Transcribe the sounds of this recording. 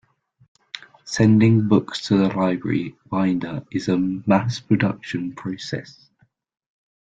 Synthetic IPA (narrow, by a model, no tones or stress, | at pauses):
sɛ̃ndɪ̃ŋbʊkstʰəðəlaɪbɹə̰ɹiwãɪ̃ndəɪzəmaspʰɹ̥ədʌ̰kʃə̃npʰɹ̥əʊsɛ̰s